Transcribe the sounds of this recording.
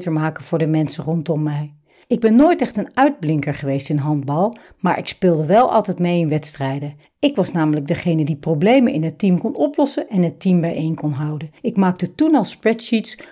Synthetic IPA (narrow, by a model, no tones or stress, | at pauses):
təɹmaːkəvʊːɹdəmɛnsərɔntɔmːɛj | ɪɡ̚bɛnːojtɛχtənœɥd̚blɪŋkəɹχəʋejstɪnɦɑndbɑlˠ | maːɹʔɪkspɪːlˠdəʋɛlˠʔɑ̰lˠtɛjtmejɪnʋɛtstrɛjdə | ɪkʋɑsnaːmələɡ̚dəχejnədiprowblejmənʔɪ̰nɦətimkɔnɔplɔsəʔɛnɦətimbɛjejnkɔnɦɑwdəɪkmaːk̚tətunɑlˠspɹɛtʃits